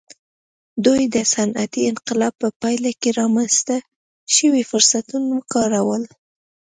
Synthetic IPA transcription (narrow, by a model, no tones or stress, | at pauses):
d̪ujd̪əsanat̪iɪnqɪlɑb̚pəpɑjlakeɾɑmanst̪a | ʃəwifʊɾsat̪unakɑɾawəl